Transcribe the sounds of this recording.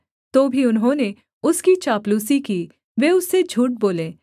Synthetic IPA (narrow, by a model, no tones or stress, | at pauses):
t̪oːbʱiʊnɦõːne | ʊskit͡ʃaːpluːsiki | ʋeːʊsːed͡ʒʱuːʈ̚boːlẽː